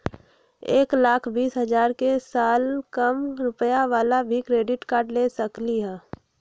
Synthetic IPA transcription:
eːklaːkʰbiːsɦɐd͡ʒaːɾkesaːlkəmɾʊpəjaʋaːlabʱikɾeːɖɪʈkaːɾʈleːsəkliɦɛ̃ː

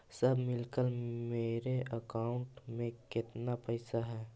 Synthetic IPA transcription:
səbʱmɪlkəlmeːɾeəkaːʊ̃ɳʈmẽkɪt̪napəɪsaɦɛː

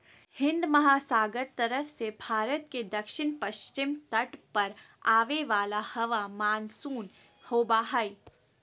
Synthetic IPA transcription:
hɪ̃nd̪mɐɦaːsaːɡəɾt̪ɐɾəfsebʱaːɾət̪ked̪ɐkʃɪnpɐʃt͡ʃɪmt̪ɐʈpɐɾ | aːʋeʋaːlahɐʋamaːnsuːn | hoːbaɦai

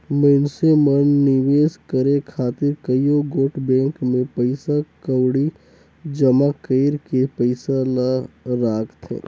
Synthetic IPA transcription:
mənsemənːɪʋeːskəɾekʰaːt̪ɪɾkəjoɡoːʈbɛ̃ːŋkmẽpəɪsakəwɽi | d͡ʒɐmakeɪɾkepəɪsanaɾaːkʰt̪ɦḛ̃ː

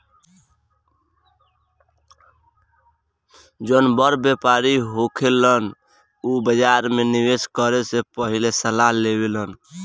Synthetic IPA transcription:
d͡ʒonbəɾbepaɾiɦokʰelən | ubəd͡ʒaɾmeniweskəɾesepəɦilesəlalebelən

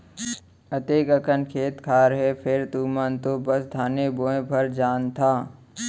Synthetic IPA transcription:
ɐt̪eːkəkənkʰeːt̪kʰaːɾɦɛpʰɪɾt̪uːmant̪obəsd̪ʱaːneboːẽbʱɐɾd͡ʒaːnt̪ʰaː

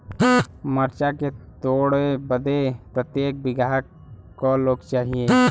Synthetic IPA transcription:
məɾt͡ʃaket̪oːɽebəd̪epɾət̪jeːk̚bɪɡaːɦk | kɔloːɡt͡ʃaːɦieː

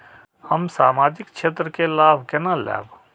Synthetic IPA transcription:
həmsaːmaːd͡ʒɪkt͡ʃʰeːt̪ɾəkelaːbkenalɛ̰ːb

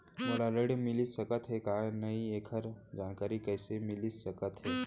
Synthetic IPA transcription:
mɐɾaɾəɽmɪlisəkət̪ɦɛkanɐieːkʰəɾd͡ʒaːnkaːɾikəɪsemɪlisəkət̪ɦɛː

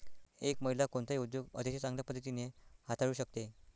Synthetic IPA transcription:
ekməɦilakoɳt̪aiud̪joɡə̰d̪eɕet͡sãŋɡljapəd̪ʱːət̪̬inehat̪aɽuːɕək̚t̪e

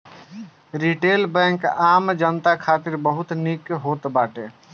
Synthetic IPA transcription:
ɾiʈelbɛ̃ŋkamd͡ʒənt̪akʰat̪iɾbəɦut̪nikɦot̪baʈe

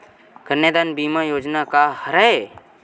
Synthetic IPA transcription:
ɡ̥əɾned̪aːnbiːmajoːd͡ʒnakahəɾae

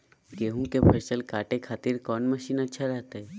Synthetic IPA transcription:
ɡeːɦũkepʰeːsəlkaːʈekʰaːt̪iɾkɔːnməʃiːnɐtːʃʰaɾɛɦt̪eɦɛː

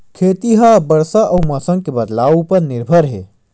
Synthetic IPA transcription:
kʰeːt̪iɦabəɾsaʔɐwmɐsə̃ŋɡ̚kebəd̪laːwpəɾnɪɾbʱəɾɦḛː

